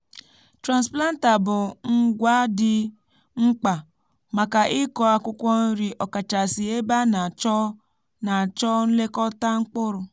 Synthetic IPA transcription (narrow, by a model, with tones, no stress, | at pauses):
tɾa˨nspla˦n̩˦ta˨bʊ˨ŋ̩˦ɡʷa˦dɪ˦ | ŋ͡m̩˦k͡pa˨ | ma˨ka˨ʔɪ˦kɔ˨a˦kʷʊ˦kʷɔ˦n̩˦ɾi˦ʔɔ˨ka˨t͡ʃa˨si˨e˦ba˦na˨t͡ʃɔ˦ | na˨t͡ʃɔ˦n̩˦le˦kɔ˦ta˦ŋ͡m̩˦k͡pʊ˦ɾʊ˨